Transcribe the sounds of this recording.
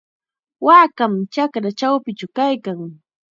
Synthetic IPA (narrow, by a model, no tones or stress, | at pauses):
waːkamt͡ʃakɾat͡ʃawpɪt͡ʃʊkajkaŋ